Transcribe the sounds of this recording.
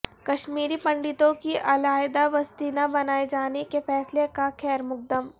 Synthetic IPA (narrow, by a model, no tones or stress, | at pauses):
kɐʃmiːɾipɐ̃ɳɖɪt̪õkiʔɐlaːjd̪aʋɐst̪iːnabɐnaːed͡ʒaːnekefɛːslekaxɛːɾmʊk̚d̪əm